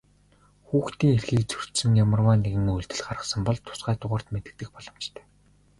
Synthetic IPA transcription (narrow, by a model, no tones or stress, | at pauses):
xuːxt̪iːŋerxiːk̚t͡sʰɵ̥r̥t̪sɘ̆ŋjamə̆rwaːneɣɘ̆ŋuɮt̪ɘ̆ɮχaɾə̆χsə̆mpɔɮt̪ʰʊ̥sɢæːt̪ʊʁʊ̆ːr̥t̪met̪ɘ̆k̚t̪ɘ̆k̚pɔɮɞ̆mt͡ɕt̪ʰæ̥ː